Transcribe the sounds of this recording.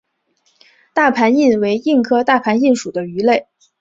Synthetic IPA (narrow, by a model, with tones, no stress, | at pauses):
t̪a˥˩pʰa˧˥ni˥˩nwe˧˥ɪi˥˩nkʰɤ˥t̪a˥˩pʰa˧˥ni˥˩nʂu˨˩d̪ə˦y˧˥le˥˩ɪ